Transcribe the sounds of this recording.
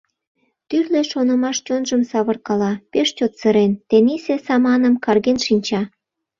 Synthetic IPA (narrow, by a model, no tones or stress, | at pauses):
t̪yrleʃonə̆mɑʃt͡ɕonʒəmsɑβərkɑlɑpeʃt͡ɕot̪səɾent̪enisesɑmɑnəmkɑrɣenʃinʲt͡ɕɑ